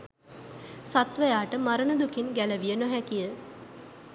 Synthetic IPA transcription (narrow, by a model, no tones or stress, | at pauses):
sat̪ʋəjaːʈəmaɾənəd̪ukinɡæləʋijənoɦækijə